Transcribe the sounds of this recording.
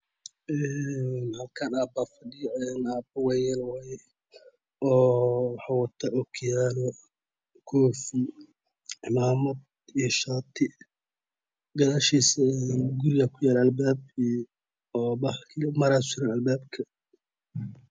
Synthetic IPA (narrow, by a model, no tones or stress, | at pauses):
ʔɛnhɐlkʰɐnaːbafɐɖɪjɔɛnaːbɐwɛjɛlwajɛ | ʔɔːwɑħɑwɑt̪ʰaʔɔkʰjaːlɔ | kʰɔːf | ʕɪmaːmɐd̪ | iʃaːt̪ʰɪ | ɡɐðaːʃiːsɐɛnɡʊɾɪjakʰʊjaːlɛɐlbaːb | ɔːbɐkʰmɐɾaːsʊɾɐnɐlbaːbkʰɐ